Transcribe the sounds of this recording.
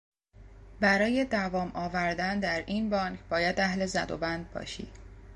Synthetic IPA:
bæɾɒːje̞d̪ævɒːmʔɒːvæɾd̪ænd̪æɾʔiːnbɒŋcʰbɒːjæd̪æhle̞zæ̰d̪o̰bænd̪̚bɒ̰ːʃḭː

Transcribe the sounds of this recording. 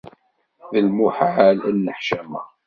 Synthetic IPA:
ðəlmuħʕalænːəħʃæmæ̰

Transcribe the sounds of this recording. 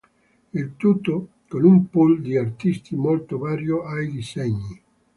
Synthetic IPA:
ilt̪ut̪ːo | konumpuld̪iart̪ist̪imolt̪ovaːɾjoajd̪isɛɲːi

